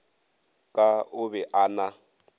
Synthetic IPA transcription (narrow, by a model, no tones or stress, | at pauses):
kʼaʊβɛʔana